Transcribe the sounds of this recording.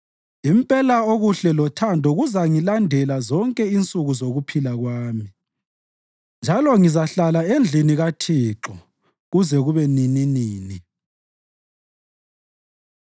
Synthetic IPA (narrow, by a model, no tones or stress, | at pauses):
impʼɛlaoɣuɬɛlɔtʰandʱɔɣuzaŋilandʱɛlazɔŋkʼɛint͡sʼuɣuzoɣupʰilaɣwaːmi | nd͡ʒʱalɔŋizaɬalaend͡ɮʱiniɣatʰiːǁɔ | ɣuzɛɣuβɛnininiːni